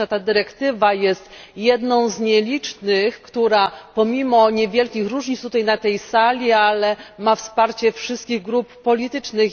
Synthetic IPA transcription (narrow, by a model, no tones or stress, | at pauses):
at̪ad̪ɘɾɛkt̪ɘvajɛst̪jɛd̪nɔ̃w̃zɲɛlʲit͡ʂnɘxkt̪uɾapɔmʲimɔɲɛvʲjɛlkʲixɾuʐɲit̪t̪ut̪ajnat̪ɛjsalʲialɛmafspaɾt͡ɕɛfʂɨst̪̚kʲiɣɡɾuppɔlʲit̪ɘt͡ʂnɘx